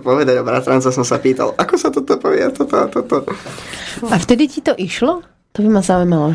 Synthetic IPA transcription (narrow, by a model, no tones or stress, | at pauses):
pɔʋɛd̪aɟɔbɾa̰t̪ɾant͡sɛs̬ɔmsapiːt̪a̰lʔakɔsat̪ɔt̪ɔpɔʋɪɛt̪ɔt̪ɔat̪ɔt̪ɔ | aft̪ɛd̪icit̪ɔʔiʃlɔ | t̪ɔbimazaujmalɔ